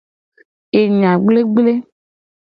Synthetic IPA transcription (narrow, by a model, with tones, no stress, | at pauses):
e˨ɲã˨ɡ͡ble˦ɡ͡ble˦